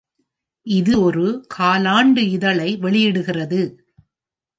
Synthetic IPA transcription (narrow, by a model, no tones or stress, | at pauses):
ʔɪðɯɔɾɯkʰaːlaːɳɖɯɪðɐɭɐɪʋɛɭɪjɪɽɯɣɪrɐðɯ